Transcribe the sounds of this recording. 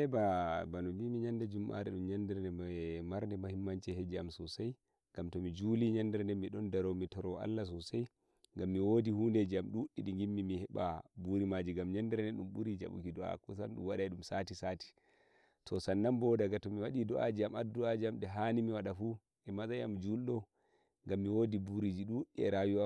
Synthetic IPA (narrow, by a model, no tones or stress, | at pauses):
ɛbabanumimiɲandad͡ʒumʔa̰ɾɛɗumɲandɛɾnɛmaɾndɛmahimːant͡ʃɛhɛd͡ʒiamsɔsaj | ɡamtɔmid͡ʒuliɲandɛɾndɛmiɗɔndaɾɔmitɔɾɔʔa̰lːas̬ɔsaj | ŋɡamːiwodihunded͡ʒiamɗuɗːiɗiŋɡimːimihɛɓa̰buɾimad͡ʒiɡamɲandɛɾndɛɗumbuɾid͡ʒa̰ɓṵkidɔa̰kɔsanɗṵmwaɗaɛɗumsatisati̥ | tʰɔsanːambɔdaɡatɔmiwaɗidɔʔa̰d͡ʒiamadːuad͡ʒiamɗɛɦanimiwaɗafu | ʔɛmazajamd͡ʒulɗɔ | ŋɡamːiwodibuɾid͡ʒiɗuɗɛ̰ɾawia